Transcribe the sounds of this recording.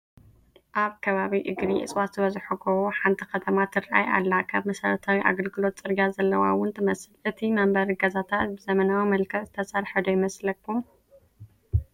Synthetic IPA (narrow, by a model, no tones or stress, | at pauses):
ʔaβkʰɐβaβiʔɨɡɾiʔɨ̰sʼwat̪ʰɨβɐzħukʰɐwoħant̪ʰi̥kɐt̪ʰɐmat̪ʰɨɾʔa̰jʔa̰lːakʰaβmɐsɐɾɐt̪ʰawiʔa̰ɡɐlɡɨlo̞t̪sʼɨɾɡazɐlːɐwa̰wʊnt̪ʰɐmɐsɨlʔɨt̪ʰimɐmbɐɾɡɐzat̪ʰat̪̚bɨzɐmɐnawimɐlkʰɐβzɨt̪ʰɐsʼɐɾħɨd̪ojɪmɐslɐkːum